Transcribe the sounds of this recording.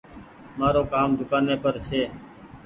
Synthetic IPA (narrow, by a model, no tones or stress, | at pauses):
maːɾoːkaːmd̪ʱʊkaːneːpəɾt͡ʃʰeː